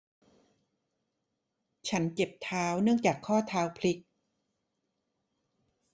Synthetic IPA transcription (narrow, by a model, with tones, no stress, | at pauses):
t͡ɕʰa˦˥nt͡ɕe˨˩p̚t̪ʰaː˦˥wnɯ˥˩əŋt͡ɕaː˨˩kʰːɔː˥˩t̪ʰaː˦˥wpʰli˦˥k̚